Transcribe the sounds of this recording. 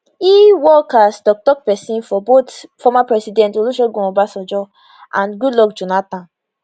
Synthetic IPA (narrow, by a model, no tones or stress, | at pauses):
iwɔkasdɔk̚tɔk̚pɛsĩnfɔbotfɔmapɹɛsidɛ̃ntoluʃɔɡɔ̃ɔ̃basɔd͡ʒɔ | ãnɡudlɔkd͡ʒonatãn